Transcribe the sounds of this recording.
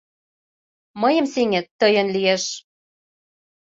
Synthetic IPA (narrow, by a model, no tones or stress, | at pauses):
mɤjə̆mseŋĕt̪ːɤjə̆nlieʃ